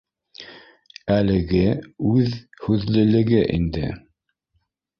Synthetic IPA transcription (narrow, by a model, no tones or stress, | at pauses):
ælɘ̆ɡɘʉðhʉðlɘ̆lɘ̆ɡɘʔḭnd̪ɘ̰